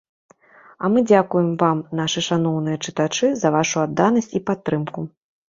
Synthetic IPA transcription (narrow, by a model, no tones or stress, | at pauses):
ɐmɨd͡zʲakujɛmvamnaʂɨʂanɔwn̪ɨjɐt͡ʂɨt̪at͡ʂɨzɐvaʂuad̪ːanɐsʲt͡sʲipat̪ːɾɨmku